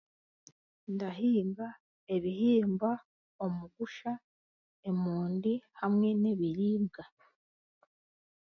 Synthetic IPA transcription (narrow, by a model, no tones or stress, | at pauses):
ndaɦiːmba | e̞βiɦiːmba | omuɡuʃa | e̞muːndihamŋe̞ne̞βiɾiːbɡa